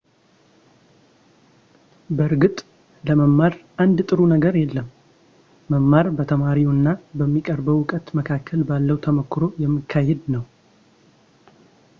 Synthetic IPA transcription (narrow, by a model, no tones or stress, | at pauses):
bəɾɡɨt̪ʼ | ləməmːaɾʔand̪t̪ʼɨɾunəɡəɾjɛlːəmː | əmːaɾbət̪ʰəmaɾinːabəmːikʼəɾbəwʊkʼət̪məkʰakʰːəlbalːəwt̪ʰəmokʰːɾo̞jɛmːɨkʰːahed̪nəw